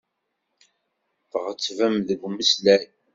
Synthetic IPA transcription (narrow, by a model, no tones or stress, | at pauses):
θəʁət͡sːvæmðəɡʷməslæj